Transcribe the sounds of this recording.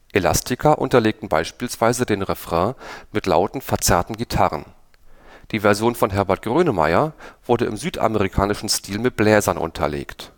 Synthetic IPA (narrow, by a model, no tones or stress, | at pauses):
ʔela̰stʰɪkʰɐʔʊ̰ntɐleːk̚tn̩ba̰ɪʃpiːlsv̥aɪzədeːnʁɛfʁ̥ɛ̃mɪtla̰ʊtn̩fɛɐt͡sɛɐtn̩ɡitʰaʁə̰n | d̥iːvɛɐzjoːnfɔnɦɛɐbɛɐt̚ɡ̥ʁøːnəma̰ɪɐv̥ʊɐdəɪ̰mzyːtʔa̰məʁikʰaːnɪʃn̩stʰiːlmɪt̚b̥lɛːzɐnʔʊ̰ntʰɐ̰lḛːkt